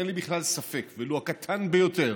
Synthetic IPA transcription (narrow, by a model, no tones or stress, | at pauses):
elibiχlalsafekveluakat̪ʰanbejo̞t̪eʁ